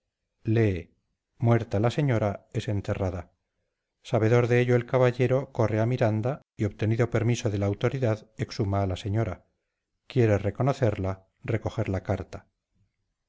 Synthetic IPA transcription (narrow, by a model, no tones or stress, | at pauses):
le | mwe̞ɾt̪alase̞ɲo̞ɾae̞se̞nt̪e̞raða | saβe̞ðo̞ɾðe̞eʎo̞e̞lkaβaʎe̞ɾo̞ko̞re̞amiɾand̪a | io̞βt̪e̞niðo̞pe̞ɾmiso̞ð̞e̞laːwt̪o̞ɾiðaðe̞ksumaːlase̞ɲo̞ɾa | kje̞ɾere̞ko̞no̞θe̞ɾla | re̞ko̞xe̞ɾlakaɾt̪ḁ